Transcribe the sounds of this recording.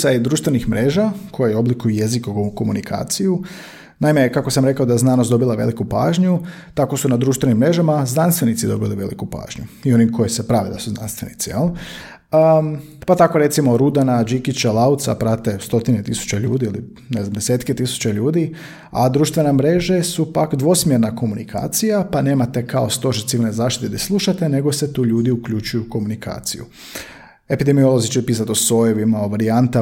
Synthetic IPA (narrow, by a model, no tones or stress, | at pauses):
said̪ɾuːʃt̪ʋenixmɾe̞ːʒakʰo̞jejo̞blikujuje̞zikoɡukomunikʰa̰ːt̪siju | naime̞kako̞samɾe̞kaod̪ajeznaːnosd̪o̞bilˠaʋe̞likupa̰ːʒɲu | t̪ako̞sunad̪ɾuːʃt̪ʋe̞nimːɾe̞ʒamaznanst̪ʋe̞nit̪sid̪o̞biliʋe̞̰lḭkupa̰ːʒɲuio̞nikʰo̞jesepɾaʋḭd̪asuzna̰nst̪ʋe̞̰nḭt̪sijelˠ | pat̪ako̞ɾe̞t̪simo̞ɾud̪anad͡ʒikit͡ɕalaut̪sa̰pɾat̪e̞st̪o̞t̪inet̪isu̥t͡ɕeʎṵːd̪iili | ne̞znamd̪eseːt̪ket̪isu̥t͡ɕeʎuːd̪i | a̰d̪ɾuːʃt̪ʋe̞namɾe̞ʒesupakd̪ʋo̞smjeɾnako̞munikʰa̰ːt̪sijapane̞ːmat̪e̞kaost̪o̞ʃit̪siʋilnezaːʃt̪i̥t̪ed̪aslˠuʃat̪e̞ne̞ɡo̞set̪uːʎuːd̪iukʎut͡ʃujuko̞munikʰa̰ːt̪sḭjṵ | e̞pid̪e̞mio̞lˠozit͡ʃɛpiːs̬at̪osojoʋimaoʋaɾiant̪a